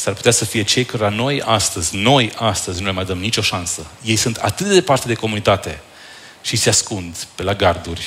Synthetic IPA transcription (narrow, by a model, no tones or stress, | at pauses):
sarpu̥t̪easəfije̞t͡ʃe̞jkaɾolano̞jast̪əzʲno̞jast̪əzʲnulemajd̪əmnit͡ʃo̞ʃansəje̞jsunt̪ʰa̰t̪ɨt̪̚d̪e̞part̪e̞d̪e̞ko̞munit̪at̪e̞ | ʃise̞askund̪pe̞laɡard̪urʲ